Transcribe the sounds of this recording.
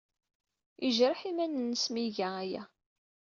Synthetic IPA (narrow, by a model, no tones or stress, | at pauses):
iʒɾˤəħimænənːəsmiʝææjæ̰